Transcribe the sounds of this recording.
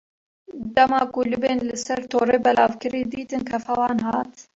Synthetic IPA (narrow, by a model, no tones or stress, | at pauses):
d̪ɐmɑːkuːlɨbeːnlɨɪsɛɾt̪ʰoːɾeːbɛlɑːvkɨɾiːd̪iːt̪ɨnkʰɐfɛwɑːnɦɑːt̪